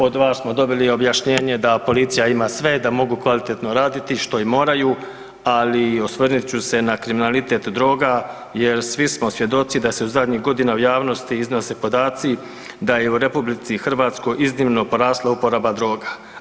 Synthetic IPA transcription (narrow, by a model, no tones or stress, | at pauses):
o̞d̪ʋaːsmo̞d̪o̞bilio̞bjaʃɲe̞ːɲe̞d̪apo̞lit̪sijaimaːsʋe̞d̪amo̞ɡukʋalit̪e̞t̪no̞ɾaːd̪it̪iʃt̪o̞imo̞ːɾajuː | aliosʋrnit͡ɕuse̞nakɾiminalit̪e̞t̪d̪ɾo̞ːɡa | je̞ɾsʋismo̞sʋje̞d̪o̞t̪sid̪ase̞uzad̪ɲiɦɡo̞d̪inaujaːʋno̞st̪iizno̞se̞po̞d̪aːt̪si | d̪aje̞uɾe̞publit̪sixr̩ʋaːt̪sko̞jʔiznimno̞po̞ɾaːslˠaupo̞ɾabad̪ɾo̞ːɡa